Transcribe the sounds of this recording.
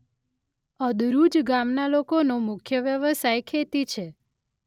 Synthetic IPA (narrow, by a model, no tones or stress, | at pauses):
əd̪ɾud͡ʒɡamnalokonomʊkʰjəʋjəʋəsajkʰet̪it͡ʃʰe